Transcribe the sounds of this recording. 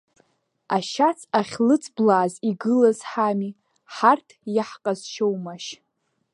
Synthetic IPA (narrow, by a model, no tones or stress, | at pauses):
aʃat͡sʰʼaχʲlɨt͡sʰʼblaːziɡɨlazħami | ħartʰjaħqʼazʃowmaʃ